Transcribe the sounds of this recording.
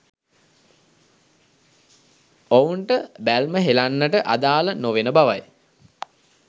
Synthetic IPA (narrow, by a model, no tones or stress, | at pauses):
ouɳʈəbælməɦelanːəʈəʔad̪aːlənoʋenəbaʋaj